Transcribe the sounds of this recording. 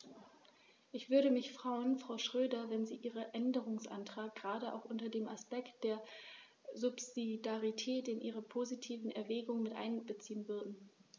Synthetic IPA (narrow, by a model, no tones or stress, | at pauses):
ʔɪçv̥ʏɐɾəmɪçfʁ̥aʏənfʁ̥aʊʃʁ̥øːdɐvɛnziːʔiːʁəʔɛndəʁ̞ʊŋsʔa̰ntʁ̥aːk̚ɡ̥əʁaːdəa̰ʊxʔʊntɐdeːmaspɛkt̚d̥eːɐ | zʊpzidaʁitʰɛːtɪnʔiːʁɐpʰozitʰiːvn̩ɛɐvɛːɡʊŋmɪtʔa̰ɪnbət͡siːənvʏɐdn̩